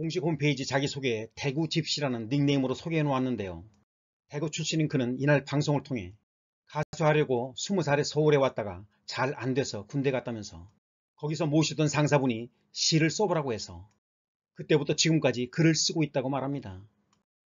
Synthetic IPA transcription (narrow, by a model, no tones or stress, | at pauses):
koŋɕʰikhompʰeid͡ʑit͡ɕaɡisʰoɡete̞ɡut͡ɕip̚ɕ͈iɾanɯnːiŋne̞imɯɾosʰoɡenwowanːɯnde̞jo | te̞ɡut͡ɕʰuɭɕ͈ininkɯnɯninaɭpaŋsʰoŋɯɭtʰoŋɦe̞ | kasʰasʰuɦaɾjʌɡosʰumusʰaɾesʰʌuɾe̞wat̚t͈aɡa̰ | t͡ɕaɾandwe̞sʰʌkunde̞ɡat̚t͈amjʌnsʰʌ | kʌɡis̬ʰʌmoɕʰidʌnsʰaŋs̬ʰabuɲi | ɕʰiɾɯɭs͈ʌbʌɾaɡoɦe̞sʰʌ̰ | kɯt͈e̞butʰʌt͡ɕiɡɯmk͈ad͡ʑikɯɾɯɭs͈ɯɡoit̚t͈aɡomaɾɦamɲida